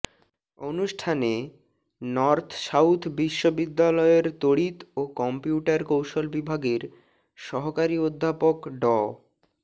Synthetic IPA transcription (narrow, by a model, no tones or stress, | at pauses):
onuʃʈʰane | nɔɾt̪ʰsawt̪ʰbiʃːobid̪ːalɔeɾt̪oɽit̪okɔmpiuʈaɾkowʃolbibʱaɡeɾ | ʃɔɦokaɾiod̪ʱːapokɖɔ